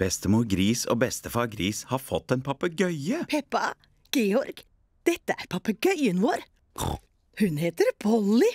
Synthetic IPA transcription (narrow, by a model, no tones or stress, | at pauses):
b̥ɛst̪əmuːɾɡɾiːso̰ːbɛst̪əfɑːɾɡɾiːshɑːɾfɔt̪ːɛnpʰɑpəɡœʏəpʰɛpːɑ | ɡ̥eːɔɾɡ̥ | d̪̥ɛt̪ːəʔæɾpʰɑpəɡœʏənʋoːɾ | hʉnɦeːt̪əɾb̥ɔlɪ